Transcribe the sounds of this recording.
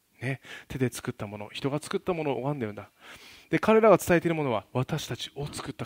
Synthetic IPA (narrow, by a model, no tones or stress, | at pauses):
ne̞t̪e̞d̪e̞t͡sɨ̥kɯ̟t̪ːamo̞no̞̰çi̥t̪o̞ɡat͡sɨ̥kɯ̟t̪ːamo̞no̞ːoɡãnd̪e̞ɾɯ̟̃nd̪ad̪e̞kaɾe̞ɾaɡat͡sɨ̥t̪aet̪eɾɯmo̞no̞βaβat̪aɕi̥t̪at͡ɕi̥o̞t͡sɨ̥kɯ̟t̪ːa